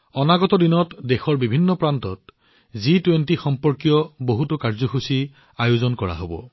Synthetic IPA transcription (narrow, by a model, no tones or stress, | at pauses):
ɔnaɡɔtɔdinɔtdexɔɹbibʱinːɔpɹantɔt | zitwentixɔmpɔɹkijɔboɦutʊkaɹzɔxusi | ajuzɔnkɔɹa̰ɦobɔ̰